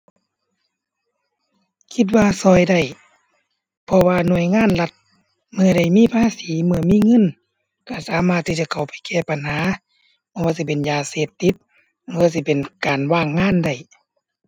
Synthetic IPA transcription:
kʰi˧t̪̬̚waː˧sɔː˧˩jda˧˩j | pʰɔ˧waː˧nu˧˩əjŋaː˧˥˨nla˧t̪̚ | mɯ˧ɐɾa˧˩jmiː˧˥˨pʰaː˧˥˨siː˨˦mɯ˧ɐmiː˧˥˨ŋɤ˧˥˨n | ka˧˩saː˨˦maː˧t̪ʰːi˧˥˩t͡ɕa˧kʰa˨˩wpa˨jkɛː˧˩pa˨nhaː˨˦ | pʰɔ˧˨waː˧˨si˧˦˩pe˨njaː˨˧seː˧˩p̚t̪i˧˦t̪̚ | ɯː˧˨s̬i˧˩pe˨nkaː˨nwaː˧˩ŋːaː˧˥˨nda˧˩j

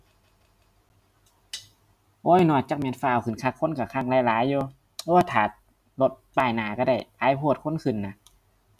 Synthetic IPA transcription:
ʔɔː˧˥˨jnɔː˧˩t͡ɕa˧k̚mɛ˧ə˨nfaː˧˩˨wkʰɯ˨nkʰa˧˩kʰːo˧˥˨nka˧˩kʰa˧˩ŋlaː˧˦jlaː˨˦jːoː˧ | ʔoː˧˩˨t̪ʰaː˨˦t̪̚ | lo˧˦t̪̚paː˧˩jnaː˨˩˦ka˧˩da˧˩jʔaː˨˥˦jpʰuː˧˩t̪̚kʰo˧˥˨nkʰɯ˧˩˨nːa˧˦

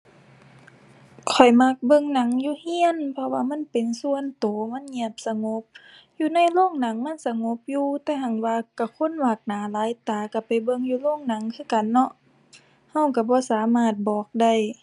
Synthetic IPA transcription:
kʰɔ˨˩jma˧˥k̚bɤ˧˨ŋna˨˦ŋjuː˧˦hi˧˨ənpʰɔ˧waː˧ma˧˥˨npe˨nsu˧˨ə˨nt̪oː˨˦ma˧˥˨nɲɛ˧˩əp̚sa˧ŋo˧˦p̚ | juː˧na˧˥˨jloː˧˥˨ŋna˨˦ŋma˧˥˨nsa˧ŋo˧˦p̚juː˧t̪ɛː˧˩ɦa˧˩ŋwaː˧ka˧˩kʰo˧˥˨nwaː˧˩k̚naː˨˦laː˨˦jt̪aː˨˩ka˧˩pa˨jbɤ˧˨ŋjuː˧loː˧˥˨ŋna˨˦ŋkʰɯː˧˥˨ka˨nːɔ˧ʔ | ha˧˩wka˧˩bɔː˧˦saː˨˦maː˧˩t̪̚bɔː˨˩k̚da˧˩˨j

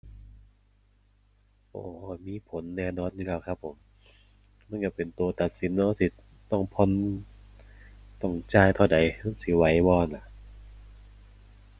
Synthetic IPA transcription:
ʔo̰ː˨˧˩miː˧˥˨pʰo˨˦nːɛː˧˩nɔː˧˥˨nɯː˧˩kaː˧˩wkʰa˦˧pʰːo˩˦m | naː˧˥˨kaː˧˩pe˨˩nt̪u˨ɐt̪a˨˩t̪̚si˨˦nːɔː˧˥˦si˧˦ | t̪ɔ˧˩ŋpʰɔ˧˥˨n | t̪ɔ˧˩ŋt͡ɕaː˧˩jt̪ʰa˧˩wda˨˩jna˧˥˩si˧˦wa˨˦jbɔː˧˩˨nla˧˩ʔ

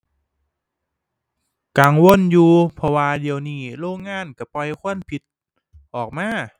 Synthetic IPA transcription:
ka˧˩ŋwo˧˥˨njuː˧pʰɔ˧waː˧di˧əwniː˧˥˩loː˧˥˩ŋːaː˧˥˨nka˧˩pɔ˧jkʰu˧˥˩ənpʰi˧˦t̪̚ | ʔɔː˨˩k̚maː˧˥˨

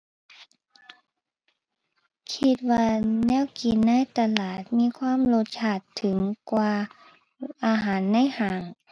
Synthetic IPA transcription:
kʰi˧t̪̚waː˧nɛː˧˥˨wki˨nːa˧˥˨jt̪a˧laː˨˩t̪̚miː˧˥˨kʰwaː˧˥˨mlo˧t̪̚t͡ɕʰaː˧˩t̪ʰːɯ˨˩˦ŋkwaː˧ | ʔaː˧ɦaː˨˦nːa˧˥˨jhaː˨˦ŋ

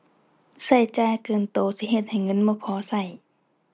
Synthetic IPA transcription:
sa˧˩jt͡ɕaː˧˨jkɤː˨˧˩nt̪oː˧˩si˧˦ɦe˧˩t̪̚ha˨˩jŋɤ˧˥˨nmɔː˧˥˨pʰɔː˧˦sa˧˩j

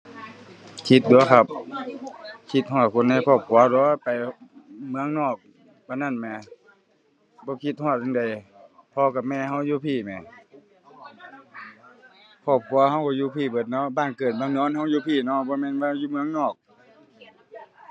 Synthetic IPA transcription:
kʰi˧˦t̪̚du˧˨ɐ˦kʰa˧˩p̚ | kʰi˧˦t̪̚hɔː˧˩t̪̚kʰo˧˥˨nːa˧˩jkʰɔː˧˩p̚kʰu˨˧˨ɐ˦˧dɔː˧˦pa˨˩jmɯ˧˦ə˨ŋnɔː˧˩k̚ | bɔ˧˦na˧˥˨nmɛː˧˩ | bɔː˧˦kʰi˧t̪̚hɔː˧˩t̪̚ɯ˧ŋda˨jpʰɔː˧ka˧˩mɛː˧˨ɦa˧˥˩wjuː˧˦pʰiː˧˩mɛː˨˩˨ | pʰɔː˧˩p̚kʰu˧˨ɐha˧˥˩wkɔː˧˦juː˧˦pʰiː˧˩bɤː˧˩t̪̚nɔ˧˥˨baː˧˨nkɤː˨˩t̪̚maː˧˨ŋnɔː˧˥˨nha˧˥˨wjuː˧˦pʰiː˧˩˨nɔ˧˥˨bɔː˧˦mɛː˧˥˨nʋaː˧˨juː˧˨mɯ˧ə˨ŋnɔː˧˩k̚

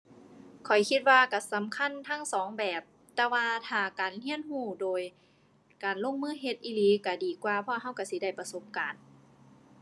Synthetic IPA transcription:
kʰɔ˨˩jkʰi˧t̪̚waː˧ka˧˩sa˨˦mkʰa˧˥˨nt̪ʰa˧˥˨ŋsɔː˨˦ŋbɛː˨˩p̚ | t̪ɛː˧waː˧t̪ʰaː˨˧˩kaː˨˩nhi˧˥ənhuː˧˩doː˨˩j | kaː˨˩nlo˧˥˨ŋmɯː˧˥˨ɦe˧t̪̚ʔiː˧˨liː˨˦ka˧˩diː˨˩kwaː˧pʰɔ˧ɦa˧˥˩wka˧˩si˧˦da˧˩jpa˧so˧˦p̚kaː˨˩n

